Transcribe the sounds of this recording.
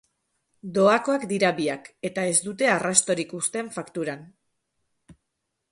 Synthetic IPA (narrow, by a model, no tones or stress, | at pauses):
d̪o̞ako̞akd̪iɾaβiake̞t̪ae̞zd̪ut̪e̞arast̪o̞ɾikust̪e̞ɱfakt̪uɾan